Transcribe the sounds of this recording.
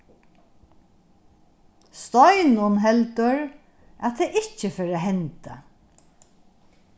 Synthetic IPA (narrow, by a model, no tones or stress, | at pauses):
st̪ɔjnʊnɦɛlt̪əɹ | at̪ʰeːʔɪcəfeːɾaɦɛnt̪a̰